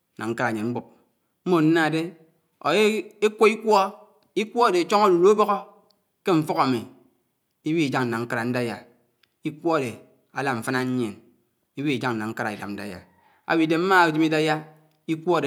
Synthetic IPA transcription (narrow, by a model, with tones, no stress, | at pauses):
na˨ŋ̩˦kɾa˨ɲe˨ŋ͡m̩˦ɡ͡bu˦p̚ | m̩˦mo˨n̩˦na˦˨de˦ | o̰˨e˦e˦kʷo˦i˦kʷɔ˦ | i˦kʷɔ˦a˨de˨˦t͡ʃo˦ŋo˦du˨ɾo˦bo˦ɣo˦ | ke˦ɱ̩˦fo˦ɣa˨mi˨ | i˦wi˦i˨d͡ʒa˦ŋn̩˨na˨ŋ̩˦ka˦ɾa˨n̩˦da˦ja˨ | i˦kʷo˦a˨de˨ | a˦la˦˨m̩˨fa˦na˦ɲ˦ɲe˨n | i˦wi˦i˨d͡ʒa˦ŋn̩˨na˨ŋ̩˦ka˦ɾa˨i˨da˨n̩˦da̰˦ja̰˨ | a̰˨wi˨de˨m̩˦ma˦˨d͡ʒi˦mi˦da˦ja˦ | i˦kʷɔ˦a˨de˨